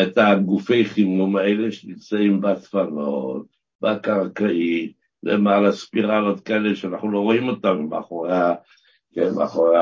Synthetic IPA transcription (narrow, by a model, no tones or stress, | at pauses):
et̪aɡufe̞jχimumaeleʃenimt͡saimbatfano̰t̚ | bakaʁkaʔi | lḛmalaspiʁalot̪kaeleʃeanaχnulo̞ʁo̞imo̞tamimaaχoʁeaa | kebḛaχoʁea